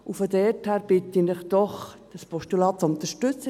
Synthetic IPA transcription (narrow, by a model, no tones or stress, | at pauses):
ufodɛthæːɾb̥ɪt̪inɪχd̪̥ɔχd̥ɑspʰɔʃtulɑːt̚t͡sʊnt̪əʃtʏt͡sə